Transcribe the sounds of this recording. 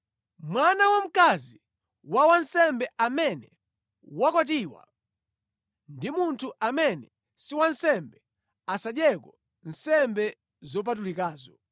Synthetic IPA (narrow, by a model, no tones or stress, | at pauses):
mwanawɔm̩kazi | wawansɛmbɛʔamɛnɛ | wakwat̬iwa̰ | ndimuntʰuʔamɛnɛ | siwansɛmbɛ | asaɗjɛkɔ | n̩sɛmbɛ | zɔp̬at̬ulikaːzɔ